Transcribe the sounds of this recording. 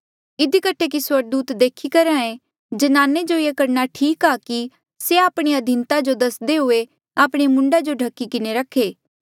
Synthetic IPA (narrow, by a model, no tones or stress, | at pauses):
ɪd̪ikəʈʰekiswɐɾ̚d̪uːt̪d̪eːkʰikɐɾãːẽ | d͡ʒɐnaːned͡ʒoekɐɾnaʈʰiːkaːki | seaːpɽ̃iɐd̪ʱɪnt̪ad͡ʒod̪ɐsd̪eɦʊe | aːpɽ̃emʊ̃ɳɖad͡ʒoɖʱɐkːikɪneɾɐkʰːeː